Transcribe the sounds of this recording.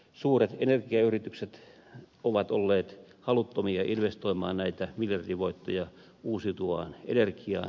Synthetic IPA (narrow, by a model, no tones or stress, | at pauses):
suːret̪enerkiɑyrit̪ykset̪ | oʋɑt̪olːeːt̪hɑlut̪ːomiɑʔinʋest̪oimɑ̰ːnnæit̪æmiljɑrdiʋoit̪ːojɑ | uːsit̪uɑ̰ːnḛnerkiɑ̰ːn